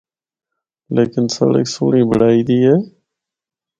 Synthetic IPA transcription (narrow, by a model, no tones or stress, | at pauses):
leːkɪnsə̰ɽə̰ksṵːɳĩːbəɽaːiːd̪iːɦeː